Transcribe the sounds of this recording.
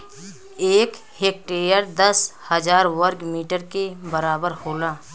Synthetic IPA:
eːk | heːk̚ʈeːɾjəɾd̪əshəd͡ʒaːɾwəɾkmiːʈəɾkebəɾaːbəɾhoːlaː

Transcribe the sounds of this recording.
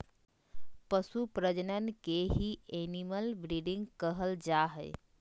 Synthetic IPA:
pəsupɾəd͡ʒənənkeɦieniməlbɾiɖɪ̃ŋɡkəɦəld͡ʒaɦəɪ

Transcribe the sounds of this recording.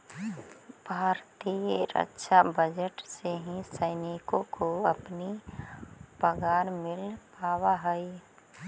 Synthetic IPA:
b̥ʱaːɾt̪iːeːɾə̰tːʃʰabəd͡ʒəʈseɦĩsəɪnɪkõkoɐpni | pəɡaːɾmɪlpaːwaɦəi

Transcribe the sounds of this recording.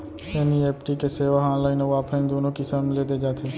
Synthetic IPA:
eːnieːpʈikeseːʋaɦãːnlaːɪnoʋaːpʰɾaɪnd̪oːnõkisəmleːd̪ed͡ʒaːt̪ʰeː

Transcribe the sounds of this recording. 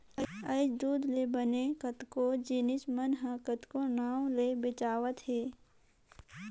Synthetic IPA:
əəɪʃd̪uːd̪lebənekət̪kod͡ʒɪnɪsmənɦãːkət̪konaːwlebɪt͡ʃaːʋət̪ɦeː

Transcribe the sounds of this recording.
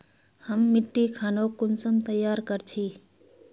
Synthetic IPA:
həmːɪʈːikʰaːnoːkʊnsəmt̪əjːaːɾkəɾt͡ʃʰiː

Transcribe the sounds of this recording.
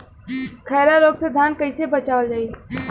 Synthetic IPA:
kʰɛːɾaɾoːɡsəd̪ʱaːnkɐisebɐt͡ʃaːəld͡ʒaːi

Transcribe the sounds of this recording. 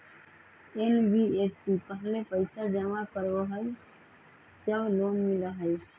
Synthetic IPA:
enbiepsipəɦlepəɪsad͡ʒəmakəɾoɦəj | d͡ʒəblonmiləɦəj

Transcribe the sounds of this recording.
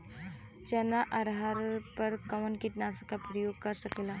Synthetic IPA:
t͡ʃənaʔaɾɦaɾpəɾkɐʋənkiʈ̪naskapɾəjoɡ̚kəɾsəkela

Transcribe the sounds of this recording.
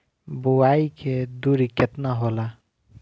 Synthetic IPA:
bʊwaːikʰed̪uːɾikjət̪naɦola

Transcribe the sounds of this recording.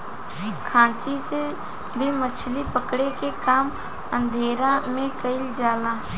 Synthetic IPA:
kʰãːt͡ʃise | bʱimət͡ʃʰlipəkɽekekaːm | ə̃nd̪ʱeːɾamẽkəɪld͡ʒaːlãː

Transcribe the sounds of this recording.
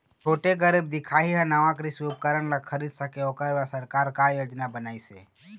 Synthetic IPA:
t͡ʃʰoːʈeɡəɾɪb̚d̪ɪkʰaːɦiɦãnɐʋãkɾisup̚kəɾəɽlakʰəɾiːd̪səkeoːkəɾʋasəɾkaːɾkajoːd͡ʒnabənaːisḛː

